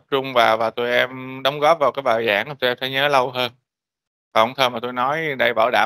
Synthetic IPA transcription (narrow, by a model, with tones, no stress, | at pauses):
p̚t͡ɕʊ˧ŋ͡mvaː˨˩wvaː˨˩t̪u˧jʔɛ˧mɗə˨˦wŋ͡mɣɔ˦˥p̚vaː˨˩wkaː˨˦jɓaː˨˩jza̰ː˧˩ŋʔaː˨˩t̪o˧ʔɛ˧mt̪ʰa˧˩˦ɲəː˨˦lə˧wɦəː˧n | vaː˨˩ʔɔ˧wŋ͡mt̪ʰəː˧˩maː˨˩t̪o˧jnɔ˨˦jɗə˧jɓaː˧˩wɗa̰ː˧˩˨